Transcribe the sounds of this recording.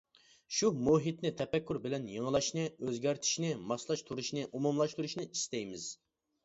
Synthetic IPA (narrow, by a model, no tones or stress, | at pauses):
ʃumuɦit̪nɪt̪ʰɛpɛkʲːuɾbɪlɛnjəŋəlˠɑʃnɨøzɡʲæɾt̪ʰi̥ʃnɪmɑslˠɑʃt̪ʰuɾuʃnɨʔumumlˠɑʃt̪uɾuʃnɪist̪ɛjmɪz̥